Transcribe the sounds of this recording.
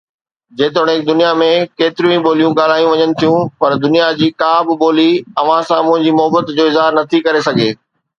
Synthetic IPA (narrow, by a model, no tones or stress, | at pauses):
d͡ʑeːt̪̬oːɽ̃eɪk̚d̪ʊnijamẽkeːt̪ɪɾijũɓoːlijũɡaːl̤aːjũʋɐɲənɪ̆t̪ʰijũpɐɾd̪ʊnijad͡ʑiːkaːbɪɓoːliɐʋ̤ãsãmʊ̃ɦɪ̃ɲd͡ʑimʊɦəbət̪d͡ʑoːɪzɦaːɾnɐt̪ʰikɐɾesɐɡʱeː